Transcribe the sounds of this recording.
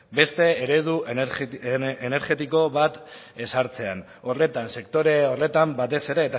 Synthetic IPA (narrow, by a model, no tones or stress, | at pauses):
be̞st̪e̞ːɾe̞ð̞u | ene̞ɾɣe̞t̪iko̞βat̪ | e̞saɾt͡se̞an | o̞re̞t̪anse̞kt̪o̞ɾe̞ore̞t̪ambat̪e̞se̞ɾe̞ːt̪a